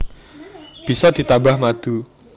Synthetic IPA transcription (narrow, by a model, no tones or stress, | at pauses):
b̥i̤sɔd̪̥i̤t̪abahmad̪̥u